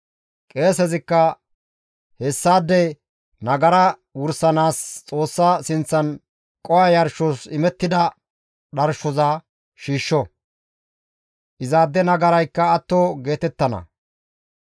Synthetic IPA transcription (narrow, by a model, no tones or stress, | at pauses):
kʼe̞ːs̬ɛzɪkːɐ | hɛsːaːd̪ːɛ | nɐɡɐɾɐwʊɾsɐnaːst͡sʼo̞ːsːasɪnt͡sːɐn | kʼɔwɐjɐɾʃɔsɪmɛt̪ːɪd̪ɐ | ɗɐɾʃɔza | ʃiːʃːɔ | ʔɪzaːd̪ːɛnɐɡɐɾɐjkːɐːt̪ːoɡe̞ːt̪ɛt̪ːɐnɐ̰